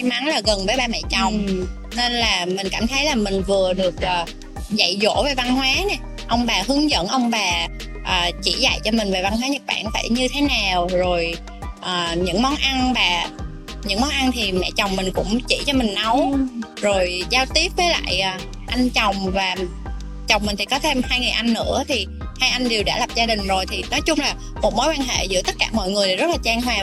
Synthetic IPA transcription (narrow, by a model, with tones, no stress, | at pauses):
a˧jma˨˦ŋlaː˨˩ɣə˨˩nvəː˨˦jɓaː˨˩mɛ̰˧˨t͡ɕə˨˩wŋ͡m | ne˧nlaː˨˩mï˨˩ŋ̟kaː˧˩mt̪ʰə˨˦jlaː˨˩mï˨˩ŋ̟vɨ˨˩əɗɨ˨˩ək̚ʔəː˨˩ | za̰˧˨jzo̰˧˥ve˨˩va˧nhwaː˨˦nɛ˨˩ | ʔə˧wŋ͡mɓaː˨˩hɨ˨˦əŋzə̰˧˥nʔə˧wŋ͡mɓaː˨˩ | ʔəː˨˩t͡ɕi˧˩za̰˧˨jt͡ɕɔ˧mï˨˩ŋ̟ve˨˩va˧nɦwaː˨˦ɲə˨˩k̚ɓa̰ː˧˩˨nfa̰ː˧˩jɲɨ˧t̪ʰe˨˦naː˨˩wzo˨˩j | ʔəː˨˩ɲɨ̰˧˥ŋmɔ˨˦nʔa˧nvaː˨˩ | ɲɨ̰˧˥ŋmɔ˨˦nʔa˧nt̪ʰi˨˩mɛ̰˧˨t͡ɕɔ˨˩wŋ͡mmï˨˩ŋ̟kʊ̰˧˥ŋ͡mt͡ɕḭ˧˩t͡ɕɔ˧mï˨˩ŋ̟na˨˦w | zo˨˩jzaː˧wt̪i˦˥əp̚vəː˨˦la̰ː˧˨jʔaː˨˩ | ʔa˧ŋt͡ɕa˨˩wŋ͡mvaː˨˩ | t͡ɕa˨˩wŋ͡mmï̟˨˩t̪ʰi˨˩kɔ˨˦t̪ʰe˧mhaː˧jŋɨ˨˩jʔa˧ŋːɨ̰˧˥ət̪ʰi˨˩ | haː˧jʔa˧jŋɗi˨˩wɗa̰ː˧˩la˨˩p̚zaː˧ɗï˨˩ŋ̟zo˨˩jt̪ʰi˨˩nɔ˨˦jt͡ɕʊ˧ŋ͡mlaː˨˩ | mo˨˩t̚mo˨˦jkwaː˧nɦḛ˧˨zɨ̰˧˥t̪ə˦˥t̚kaː˧˩mɔ̰˧˨jŋɨ˨˩əjzə˦˥t̚laː˨˩t͡ɕaː˧ŋɦwaː˨˩